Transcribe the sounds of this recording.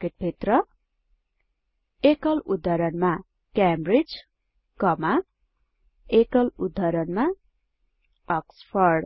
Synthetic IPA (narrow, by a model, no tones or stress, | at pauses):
keʈ̚bʱit̪rʌ | ekʌlud̪ʱːʌɾʌnma | kambrid͡z | kʌma | ekʌlud̪ʱːʌɾʌnma | ʌkspʰʌrɖ